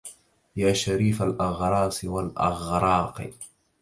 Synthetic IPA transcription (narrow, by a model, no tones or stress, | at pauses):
jaːʃaɾiːfalʔɑɣɾˤɑːsˤwalʔɑ̰ɣɾˤɑːqɨ̰